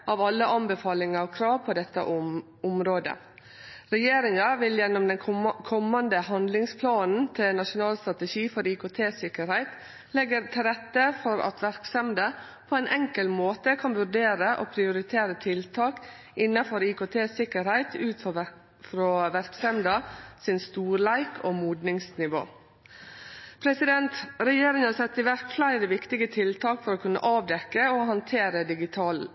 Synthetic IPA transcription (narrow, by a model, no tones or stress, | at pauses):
ʔɑːʋɑlːəʔɑnbəfɑːlɪŋɑɾɔkʰɾɑːʋpʰɔd̪ɛt̪ːə̰ʔ | ʊmɾoːd̪ə̰ | ɾɛjeːɾɪŋɑʋɪljɛnːɔmd̪ɛnkʰɔmːɑnd̪əhɑnd̪lɪŋspʰlɑːnn̩t̪ʰɪlnɑʂʊnɑːlst̪ɾɑt̪əʃiːfɔɾiːkoːt̪ʰeːsɪkəɾhæɪt̪ | lɛɡəɾt̪ʰɪlɾɛt̪ːəfɔɾɑ̰t̪ʋæɾksɛmd̪ə | pʰoæɪnʔɛŋkəlmoːt̪əkʰɑnʋʉɾɖeːɾəʔo̰pʰɾɪʊɾɪt̪ʰeːɾət̪ʰɪlt̪ʰɑːk | ɪnːɑfɔɾikoːt̪ʰeːsɪkːəɾhæɪt̪ʰʉːt̪ | fɾoːʋæɾksɛmd̪ɑsɪnst̪uːɾlæɪkʰoːmuːd̪nɪŋsnɪʋo̰ː | pʰɾɛsɪd̪ɛnt̪ɾɛjeːɾɪŋhɑɾsɛt̪ːɪʋæɾkflæɪɾəʋɪkt̪ɪɡət̪ʰɪlt̪ʰɑːkfɔɾoːkʰʉnːə̰ʔɑːʋd̪ɛkːəohɑnt̪ʰeːɾəd̪ɪɡɪt̪ʰɑːl